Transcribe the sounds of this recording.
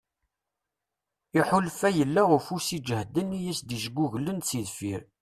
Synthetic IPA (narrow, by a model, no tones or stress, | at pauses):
iħʊlfæjəlːaʁʊfusid͡ʒhd̪ənijæsd̪iʃəɡuʝlənt͡siðfiɾ